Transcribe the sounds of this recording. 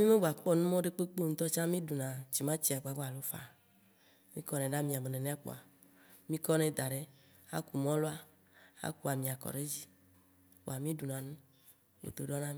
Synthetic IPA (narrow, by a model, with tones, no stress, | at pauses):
mĩ˦me˦ba˨k͡pɔ˦nũ˦mɔ̃˦ɖe˦k͡pe˦k͡po˦ŋ̩˦t̪ɔ˦t͡ʃã˦mĩ˦du˨nã˨t͡ɕi˨mã˦t͡ɕi˨˦a˨ɡ͡ba˨ɡ͡ba˨lo˦fa̰˨ | mĩ˦kɔ˦nɛ̃˨ɖa˦mĩ˨a˨me˨nɛ̃˨nɛ̃˦a˦k͡po̰˨a˨ | mĩ˦kɔ˦nɛ̃˨d̪a˨ɖe˦ | a̰˦ku˨mɔ̃˦lo˦a˦ | a̰˦ku˦˨a˨mĩ˨a˨kɔ̰˨ɖe˦d͡ʑi˦ | wo̰˨a˨mĩ˦ɖu˨nã˨nũ˦ | wo̰˨d̪o˨ɖɔ˦nã˦mi˦